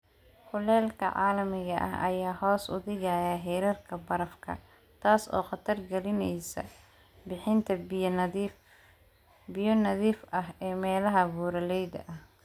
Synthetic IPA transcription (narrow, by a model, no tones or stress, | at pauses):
hʊlɛːlkʰɐ̰ʕa̰ːlɐmɪɣɐʔɐ̰ɦɐ̰jaːhɔːsʊ̰ðɪɣaːjaɦɛːɾɐrkʰɐbɐɾɐfkʰɐ̰ | t̪ʰaːsɔ̰ːqɑt̪ʰɐrɡɐlɪnɛjsɐ̰ | bɪħɪnt̪ʰɐ | bɪjɔnɐðiːfʔɐɦɛːmɛːlɐɦɐβuːɾɐlɛjd̪ɐʔɐh